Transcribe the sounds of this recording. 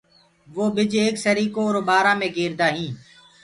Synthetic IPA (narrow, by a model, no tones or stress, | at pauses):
ʋoːɓɪd͡ʒeːksəɾiːkoːɾoɓaːɾãːmẽːɡeːɾd̪aːɦĩː